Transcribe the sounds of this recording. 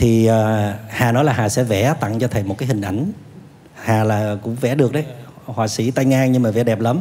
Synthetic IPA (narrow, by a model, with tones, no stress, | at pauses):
t̪ʰi˨˩əː˨˩haː˨˩nɔ˨˦jlaː˨˩ɦaː˨˩sɛ̰˧˥vɛ̰˧˩˥t̪a̰˧˨ŋt͡ɕɔ˧t̪ʰə˨˩jmo˨˩t̚kaː˨˦jhï˨˩ŋ̟ʔa˧˩jŋ̟ | haː˨˩laː˨˩kʊ̰˧˥ŋ͡mvɛ̰˧˥ɗɨ˨˩ək̚ɗə˨˦j | hwaː˨˩sḭ˧˥t̪a˧jŋaː˧ŋɲɨ˧maː˨˩vɛ̰˧˩˥ɗɛ˨˩p̚ləː˨˦m